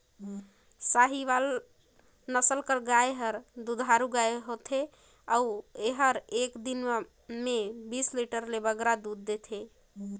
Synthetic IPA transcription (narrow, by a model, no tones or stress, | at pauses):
saɦiβal | nəsəlkəɾɡajɦəɾd̪ud̪ʱɦaɾuɡaeɦot̪ʰe | aueɦəɾekd̪in | mebisliʈəɾlebəɡɾad̪ud̪ːet̪ʰe